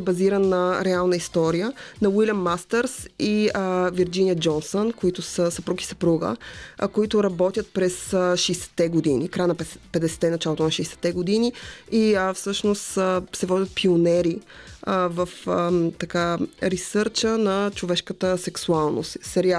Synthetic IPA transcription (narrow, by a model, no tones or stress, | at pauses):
ɛbɐziɾənnːɐɾɛalˠnəist̪ɔɾijənɐwilʲəmːast̪ɛɾsiəviɾd͡ʒinijəd͡ʒɔnsonkoit̪ʊsəsəpɾuɡi̥sə̥pɾuɡə̰koit̪ʊɾɐbɔt̪ʲjət̪̚pɾɛsʃɛjsɛ̥t̪ːɛɡod̪inikɾajnɐppɛd̪ɛsɛ̥t̪ːɛnɐt͡ʃalˠot̪ʊnɐʃɛjsɛ̥t̪ːɛɡod̪iniiəfsɤʃnost̪sɛvɔd̪ʲət̪̚pionɛɾi | vəfət̪ɐkaɾisɤɾt͡ʃənɐt͡ʃovɛʃkət̪əsɛksualˠno̰ssɛɾia